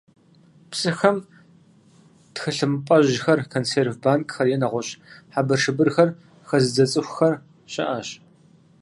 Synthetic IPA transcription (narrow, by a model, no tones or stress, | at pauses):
psɨxɐm | txɨɬɨmɨpʼɐʑɪxɐrkʰonseːrvbaːnkʼxɐrjɛnɐʁʷɔɕʼħabɐrʂɨbɨrxɐr | xɐzɨd͡zɐt͡sʼɨxʷxɐr | ɕɐ̰ʔɐɕ